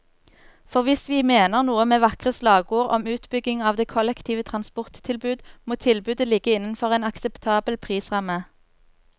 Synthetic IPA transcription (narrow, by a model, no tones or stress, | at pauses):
fɔʁʋɪsʋiːmeːnəʁnuːəmeːʋɑkʁəslɑːɡuːʁɔ̰mʉːt̪bʏɡɪŋɑːʋd̪eːkʰɔlɛkt̪ʰiːʋət̪ʰʁɑnspɔʁt̪ʰːɪlbʉːd̪moːt̪ʰɪlbʉːd̪əlɪɡəɪnən̩fɔʁeːnɑksɛpt̪ʰɑːbəlpʰʁiːsʁɑmːə